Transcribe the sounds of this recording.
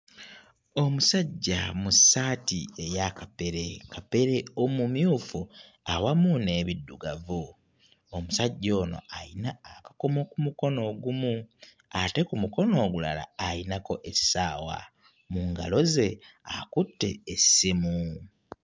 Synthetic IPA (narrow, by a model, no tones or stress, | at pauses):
o̞musaɟːa̰musaːtie̞jakape̞ɾe̞kape̞ɾe̞o̞mumjuːfu | awamune̞ːβidːuɡavu | omusaɟːo̞ːno̞̰ajinaːkḁko̞mo̞kumuko̞no̞ːɡumu | ate̞kumuko̞no̞ːɡula̰la̰ːjinako̞ʔe̥saːwa̰ | muŋɡa̰lo̞ze̞akutːe̞̰ːsimu